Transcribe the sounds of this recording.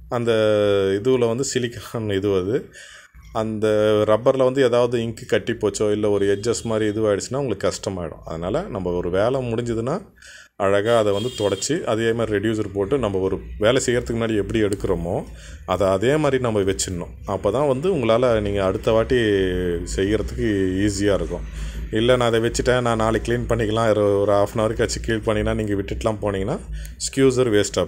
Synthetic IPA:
ɐnd̪ɐɪðɯʋlɐʋɐnd̪ɯsɪlɪkːɐɾaːnɪðɯʋɐðɯ | ɐnd̪ɐɾɐbːɐɾlɐʋɐnd̪ɯeːðaːʋɐðɯɪŋkɯkɐʈːipːoːt͡ʃːõːɪlːɐɔɾɯɛd͡ʒɐsmaːd̪ɾiɪðɯʋaːɪɽɯt͡ʃːɯnːaːʊŋɡɐɭɯkːɯkɐʂʈɐmaːɪɽʊ̰̃ɐ̰ðɐnaːlɐnɐmbɐɔɾɯʋeːlɐmʊɽɪɲd͡ʒɐðɯnːaː | ɐɻɐɣaːɐðɛʋɐnd̪ɯt̪ɔɽɐt͡ʃːɯʔɐðeːmaːd̪ɾiɾɛɖjuːs̬ɐɾpoːʈːɯnɐmbɐɔɾɯʋeːlɛsɛjːɪɾɐðɯkːɯmʊnaːɽiɛpːɐɽiɛɽɯkːɯɾɐmõː | ɐðɐːðeːmaːd̪ɾinɐmbɐʋɛt͡ʃːɯnːʊ̃ | ɐpːoːt̪ãːʋɐnd̪ɯʊŋɡɐɭaːlɐniːŋɡɐːɽɯt̪ːɐʋaːʈːisɛjːɪɾɐðɯkːɯiːs̬ɪjaːɪɾɯkːʊ̃ | ɪlːɛnãːɐðɛʋɛt͡ʃːɯʈːãːnãːnaːlɛkliːnpɐɳːɪkːɐlãːɪɾɯɔɾɯaːfnaːʋɐɾkːɐt͡ʃːikiːlpɐɳːɪŋɐnːaːniːŋɡɐʋɪʈːɪʈːlãːpoːniːŋɡɐnaː | skjuːs̬ɐɾʋeːsʈɐ

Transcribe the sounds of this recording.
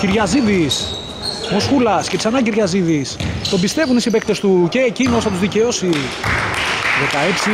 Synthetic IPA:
ciɾʝɐziðis | mo̞skulɐscet̪i̥sɐnɐciɾʝɐziðist̪o̞bist̪e̞vunt̪isipek̚t̪e̞st̪uce̞ːcino̞sθɐt̪uzðice̞o̞si | ðe̞kɐepsi

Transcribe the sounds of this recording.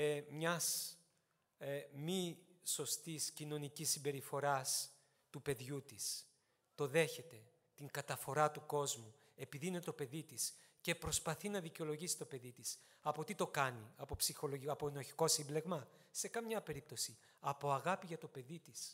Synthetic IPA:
mɲɐs | miso̞st̪iscino̞nicisːimbe̞ɾifo̞ɾɐs | t̪upe̞ðʝut̪is | t̪o̞ðe̞çe̞t̪e̞ | t̪iŋɡɐt̪ɐfo̞ɾɐt̪uko̞zmu | e̞piðine̞t̪o̞pe̞ðit̪is | ce̞pɾo̞spɐθinɐðiceo̞lo̞ʝisi̥t̪o̞pe̞ðit̪is | ɐpo̞t̪it̪o̞kɐniɐpo̞psixoloɐpoenoçi̥ko̞simble̞ɣmɐ | se̞kɐmɲɐpe̞ɾip̚t̪o̞si | ɐpo̞ɐɣɐpiʝɐt̪o̞pe̞ðit̪is

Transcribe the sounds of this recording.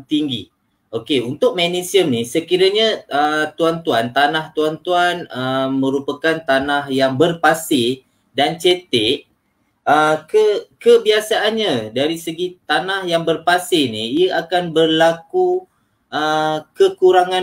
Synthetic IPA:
t̪iŋɡi | ʔokeunt̪ʊk̚mɛnesiəmnisəkiɾaɲãət̪uant̪uant̪anaht̪uant̪uanəmə̃ɾupakant̪anahjaŋbərpasɪ | dant͡ʃet̪ɪʔ | əkəkəbiasaʔːnɲadaɾisəɡit̪anahjaŋbərpasɪniiəʔakanbərlaku | ʔəkəkuɾaŋã

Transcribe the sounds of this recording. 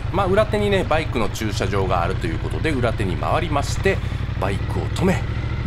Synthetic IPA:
maːɯ̟ɾat̪e̞ɲ̟ine̞baikɯ̟no̞t͡ɕɨːɕaʑo̞ːɡa̰ːɾɯ̟t̪o̞jɯ̟ːko̞t̪o̞d̪e̞ɯ̟ɾat̪e̞ɲ̟ima̰β̞aɾʲimaɕi̥t̪e̞ | baikɯ̟o̞̰t̪o̞me̞

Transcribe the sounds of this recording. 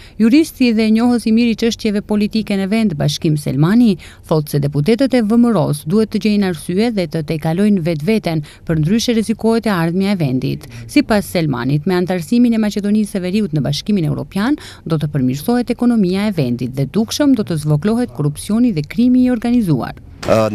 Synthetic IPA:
juɾist̪iðɛɲɔɦəsimiɾit͡ʃəʃt̪jɛvɛpɔlit̪ikɛnəvɛnd̪baʃkimsɛ̰lmani | θɔlˠt̪sɛd̪ɛput̪̬ɛt̪ət̪ɛvəməɾɔsd̪uhɛt̪ːəɟɛjnaɾsyɛðɛt̪ət̪ɛkalɔjnəvɛt̪̬vɛt̪ɛn | pəɾnd̪ɾyʃɛɾɛzikɔɦɛt̪ɛaɾðmjaɛvɛnd̪ḭt̪sipasːɛlma̰nit̪mɛant̪aɾsiminɛmat͡ɕɛd̪ɔnisɛvɛɾiut̪nəbaʃkiminɛ̰wɾɔ̰pjan | d̪ɔt̪əpəɾmiɾsɔhɛt̪ɛkɔnɔmiaɛvɛnd̪it̪̚ðɛd̪ukʃəmd̪ɔt̪əzvɔklɔɦɛt̪kɔrupsiɔniðɛkɾimiɔɾɡanizṵa̰ɾ

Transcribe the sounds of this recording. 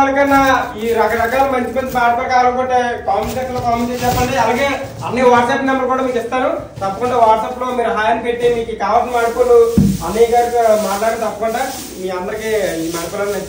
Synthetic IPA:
ɐɐkɐnːaiːɾɐkɐɾɐkaːlɐmɐnt͡ʃmensmaːʈɐpɾɐkaːɾɐŋkoʈeːkaːmkesloːkaːmɐt͡ʃest͡ʃɛpːɐɳɖiɐlaːɡe̞ː | ɐ̰nːiʋaːʈsɐpːinɐmbɐɾkuːɽaːmiːkist̪aːnu | t̪ɐpːɐkuɳʈeːʋaːʈsɐplo̞ːmiːɾuɦaːjɐnpeʈːimiːkikaːʋɐsmaːɾkuluɐneːkaɾkumaːʈlaːɾint̪ɐpːɐkuɳʈe | miːɐnd̪ɐɾikeːimaːɾɐkulɐnɐnɐ

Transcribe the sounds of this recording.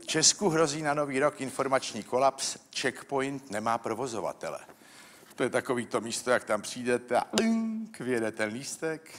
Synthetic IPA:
ft͡ʃɛskuɦɾo̞ziːnano̞viːɾo̞kɪnfo̞ɾmat͡ʃɲiːko̞lapst͡ʃɛkpo̞jnt̪nɛmaːpɾo̞vo̞zo̞va̰t̪ɛ̰lɛ̰ | t̪ojɛt̪ako̞viːt̪o̞miːst̪o̞jak̚t̪ampr̝̥iːdɛt̪ɛa̰lŋkvɪjɛdɛt̪ɛnliːst̪ɛk

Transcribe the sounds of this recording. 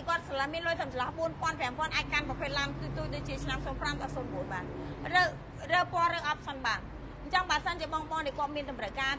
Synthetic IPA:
jkŏət̪̚slhmiənloːjt̪ʰəmsɑlɑhɓuənpŏənprɛ̆əmpŏənʔaːc̚kanprɑpʰeːt̪̚lamkɨːt̪uːc̚ɗoːc̚t͡ɕiət͡ɕʰnamsoːnpramɗɑsoːnɓuənɓaːnrə | rəːpoərɨːʔɑp̚sənɓaːn | ɲt͡ɕəŋɓəːsənt͡ɕiəɓɑŋɓɑŋɗaːkŏət̪̚miənɗ̪ɑmrəwkaː

